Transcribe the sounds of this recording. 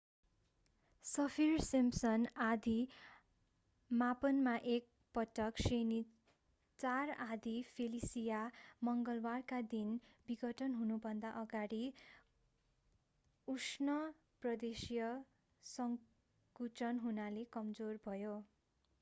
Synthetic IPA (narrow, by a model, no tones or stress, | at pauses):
sʌpʰirsimsʌnad̪i | mapʌnmaʔek̚ | pʌʈʌkseni | t͡sarad̪ʱipʰelisijamʌŋɡʌlbarkad̪inbiɡʌʈʰʌnɦunubʱʌnd̪aʔʌɡaɽi | usnʌ | prʌd̪esijʌ | sʌŋ | kut͡sʌnɦunalekʌmd͡zorbʱʌjo